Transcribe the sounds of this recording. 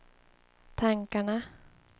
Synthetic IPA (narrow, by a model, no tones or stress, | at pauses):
t̪ʰaŋkaɳa